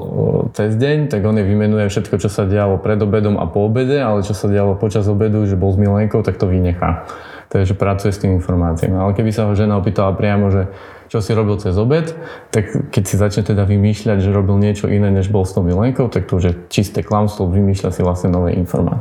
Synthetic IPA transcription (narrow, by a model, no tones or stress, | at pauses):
t͡sɛzɟɛɲt̪aɡɔnɛʋimɛnujɛfʃɛt̪kɔt͡ʃɔsaɟɛalɔpɾɛd̪ɔbɛd̪ɔmʔa̰pɔːbɛɟɛalɛt͡ʃɔsaɟɛalɔpɔt͡ʃazɔbɛd̪uʒɛbɔlzmilɛŋkɔʊt̪ak̚t̪ɔʋiɲɛxa̰ː | t̪ɛdaʒɛpɾat͡sujɛst̪iminfɔɾmaːt͡sia̰malɛkɛbisaɦɔʒɛnaɔpiːt̪alapɾɪamɔʒɛ | t͡ʃɔsiɾɔbilt͡sɛzɔbɛt̪ː | akkɛcsizat͡ʃɲɛt̪ɛd̪aʋimiːʃʎaɟʒɛɾɔbilɲɪɛt͡ʃɔʔinɛːɲɛʒbɔlst̪ɔʊmilɛŋkɔʊt̪ak̚t̪ɔuʒɛt͡ʃist̪ɛklamslɔʋimiːʃʎa̰siʋlastɲɛnɔʋɛ̰ːʔḭnfɔ̰ɾma̰ːt͡s